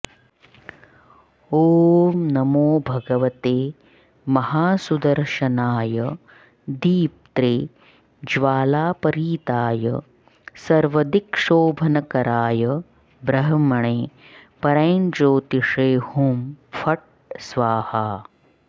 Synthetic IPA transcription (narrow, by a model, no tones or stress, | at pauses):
oːmnɐmoːbʱɐɡɐʋɐt̪eː | mɐhaːsud̪ɐɾʃɐnaːjɐ | d̪iːp̚t̪ɾeː | d͡ʒʋaːlaːpɐɾiːt̪aːjɐ | sɐɾʋɐd̪ikʂoːbʱɐnɐkɐɾaːjɐ | bɾɐɦɐmɐɳeːpɐɾɐjnd͡ʒoːt̪iʂeːhumfʰɐʈ̚ | sʋaːhaː